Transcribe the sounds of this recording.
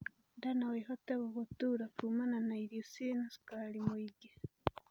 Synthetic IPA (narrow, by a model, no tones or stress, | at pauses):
ndanaweɦoteβoβutuɾakumananaiɾosinasi̥kalimwiɟe